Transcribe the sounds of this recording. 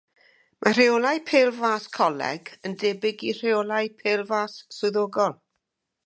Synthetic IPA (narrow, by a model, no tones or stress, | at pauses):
mʔar̥eolˠajpʰeːlˠvaːskʰɔlɛ̰ɡəndɛːbɪɡir̥eolˠajpʰeːlˠvaːsːʊðoːɡɔlˠ